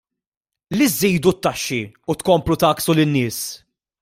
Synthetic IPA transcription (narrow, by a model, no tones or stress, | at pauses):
lizːiːd̪ut̪ːɐʃːiut̪kɔmplut̪ɐːksulɪnːɪːs